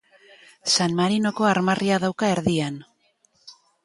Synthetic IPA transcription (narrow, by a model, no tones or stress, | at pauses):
sanmaɾino̞ko̞aɾmarʔiaðawkae̞ɾðian